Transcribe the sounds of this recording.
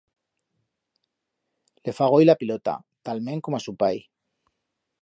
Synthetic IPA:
le̞faɣ̞ojlapilot̪a̰ | t̪almẽ̞ŋkomasupaj

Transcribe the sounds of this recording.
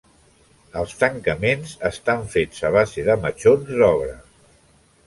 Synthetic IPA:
əlˠst̪əŋkəmenzəst̪aɱfed͡zəβ̞azeðəmət͡ʃonzðɔβ̞ɾə

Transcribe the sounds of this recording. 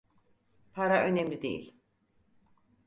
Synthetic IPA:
pʰaɾaʔø̞nemlʲid̪e̞̰jḭlʲ

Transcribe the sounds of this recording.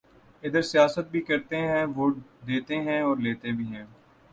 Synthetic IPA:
ɪd̪əɾsijaːsət̪̚bʱikɐɾt̪eɦɛ̃ʋoːʈd̪eːt̪eɦɛ̃ɔːɾleːt̪ebʱiːɦɛ̃ː

